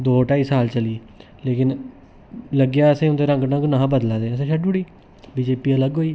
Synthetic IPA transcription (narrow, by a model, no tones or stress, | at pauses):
d̪oːʈaːiːsaːlt͡ʃəliː | leːkɪn | ləɡjaːəsẽːʊnd̪eːɾə̃ŋɡnãɡnãːbəd̪lãːd̪eːəsẽːʃʰəɖuːɽiː | biːd͡ʒeːpiːələɡɦoːiː